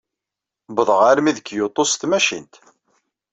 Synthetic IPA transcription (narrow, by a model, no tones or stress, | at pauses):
bəðˤʁaɾmiðəkːjot̪ˤːost̪mæʃḭnt̪